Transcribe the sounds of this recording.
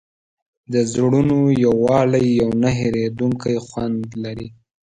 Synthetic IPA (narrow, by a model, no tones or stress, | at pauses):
d̪əzɽunojawːɑlajːawnaɦeɾed̪uŋkajxwand̪laɾi